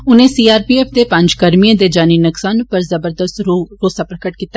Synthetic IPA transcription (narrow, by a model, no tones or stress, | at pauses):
ʊnẽːsiːaːɾpiːɛːpʰd̪eːpə̃ɲd͡ʒkəɾmiãːd̪eːd͡ʒaːniːnəksaːnpəɾzəbəɾd̪əst̪ɾoːsaːpɾəkəʈ̚kiːt̪ːa